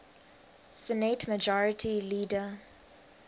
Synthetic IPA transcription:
sɛnetməd͡ʒɔɹɪtʰiliːdə

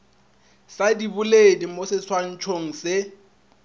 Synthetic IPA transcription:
sadibʊledimosɪswan̩t͡ʃʰoŋ̩sɪ

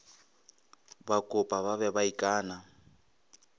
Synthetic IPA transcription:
bakʼʊpʼaβaβɛbaikʼaːna

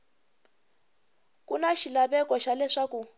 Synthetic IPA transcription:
kunaʃilaβɛkɔʃalɛʂaku

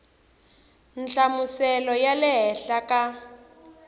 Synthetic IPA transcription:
nt͡ɬamusɛlɔjalɛɦɛɬakʼa

